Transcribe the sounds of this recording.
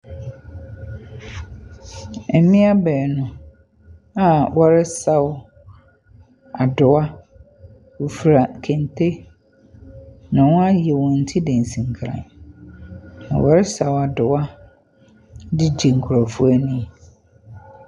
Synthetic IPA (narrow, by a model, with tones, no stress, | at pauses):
ɛ˨mĩ˦a˦bɛː˨nʊ̃˨ | a˨wɔ˨˦ɾɪ˦sa˦wʊ˦ | a˨dʊ˨a˦ | wo˨fu˨ɾa˨kʰẽ˨ntʰe˦ | nã˨wɔ̃˦a˦jɛ˨wɔ̃˨n̩˨tʰi˦dẽ˨n˨sĩ˨ŋ˨kʰɾã̰˨n | nã̰˨wɔ˨ɾɪ˦sa˨wa˨dʊ˨a˦ | dɪ˦d͡ʑi˨ŋ̩˨kʰʊ˨ɾɔ˨fu˦æ˦nĩ˦˨